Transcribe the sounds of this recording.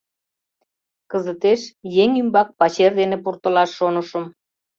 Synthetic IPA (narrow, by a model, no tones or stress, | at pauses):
kəzət̪eʃjeŋymbɑk̚pɑt͡ɕerd̪enepurt̪ə̆lɑʃːonəʃə̆m